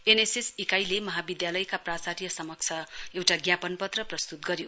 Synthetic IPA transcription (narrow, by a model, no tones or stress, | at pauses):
enesesikajlemʌɦabid̪jalʌjkaprasaɾijʌsʌmʌk̚t͡sʰʌewʈaɡjapʌnpʌt̪rʌprʌst̪ut̪̚ɡʌɾjo